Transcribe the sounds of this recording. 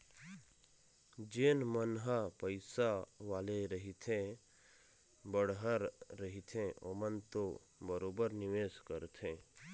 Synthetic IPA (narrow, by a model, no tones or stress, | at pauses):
d͡ʒeːnmənɦapəɪsaʋaːleɾəɦit̪ʰẽ | bəɽɦəɾːəɦit̪ʰẽʔo̰mənt̪o | bəɾoːbəɾnɪʋeːskəɾt̪ʰẽː